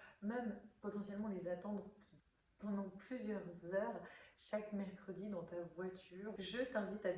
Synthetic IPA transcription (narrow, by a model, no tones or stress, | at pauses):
mɛmpɔt̪ɑ̃sjɛlmɑ̃lezat̪ɑ̃d̪ʁ | pɑ̃d̪ɑ̃plyzjœʁzœʁʃakmɛʁkχəd̪id̪ɑ̃t̪avwat̪ʰyːʁʒət̪ɛ̃vit̪a